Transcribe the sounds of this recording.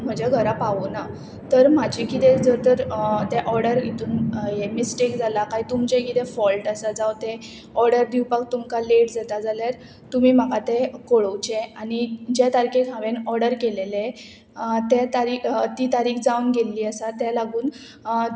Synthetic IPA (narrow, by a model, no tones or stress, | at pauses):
m̤əd͡ʑaɡʱəɾapaʋona | t̪əɾm̤ad͡ʑʱikit̪ẽd͡zəɾt̪əɾt̪ɛʔɔɾɽəɾit̪uːnjemisʈekd͡zʱalakaɦit̪umt͡ɕẽkit̪ɛ̃fɔlʈasad͡zawt̪e | ɔɾɽəɾd̪iwpak̚t̪umkaleʈd͡zat̪ad͡zaljaɾ | t̪um̤iːm̤akat̪ekoɭəwt͡ɕeanid͡ʑet̪aɾkekʰãʋenɔɾɽəɾkelele | t̪ɛt̪aɾit̪it̪aɾiːkd͡zaunɡelːiːəsat̪ɛlaɡuːn